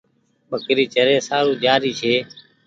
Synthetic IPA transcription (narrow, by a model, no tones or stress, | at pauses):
ɓəkɾiːt͡ʃəɾeːsaːɾũːd͡ʒaːɾiːt͡ʃʰeː